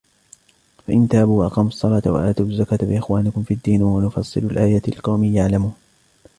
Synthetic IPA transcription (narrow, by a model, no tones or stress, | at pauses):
faʔɪnt̪aːbuːʔɑ̰qɑːmɑsˤːɑlɑːt̪awa̰ʔaːt̪uːazːakaːt̪bɪʔɪxwaːnɪkʊmfiːad̪ːiːnwanʊfɑsˤːɨ̰lalʔaːjalqɑwmiːjaʕlamuːn